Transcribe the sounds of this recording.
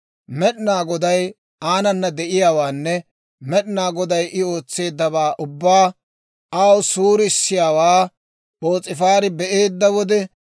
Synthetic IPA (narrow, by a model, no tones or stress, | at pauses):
mɛɗɪnaːɡɔd̪ɐj | aːnɐnːɐd̪ɛʔɪjaːwaːnːɛ | mɛɗɪnaːɡɔd̪ɐjʔɪo̞ːt͡sːe̞ːd̪ːɐβaːʔʊbːaː | ʔaːwsuːɾɪɪsːɪjaːwaː | bo̞ːt͡sʼɪfaːɾɪbɛʔe̞ːd̪ːɐwɔd̪ɛ